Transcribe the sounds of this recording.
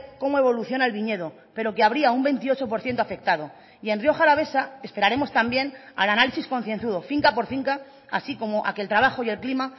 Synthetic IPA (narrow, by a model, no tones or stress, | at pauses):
ko̞moe̞βo̞luθjo̞naelβiɲe̞ð̞o̞ | pe̞ɾo̞keaβ̞ɾiaumbe̞nt̪io̞t͡ʃo̞po̞ɾθje̞nt̪oafe̞k̚t̪að̞o̞ | ie̞nrjo̞xalaβ̞e̞sae̞spe̞ɾaɾe̞mo̞st̪ambje̞na̰lanalisisko̞nθje̞nθuðo̞fiŋkapo̞ɾfiŋka | a̰siko̞mo̞ʔa̰kelt̪ɾaβ̞axo̞je̞lklima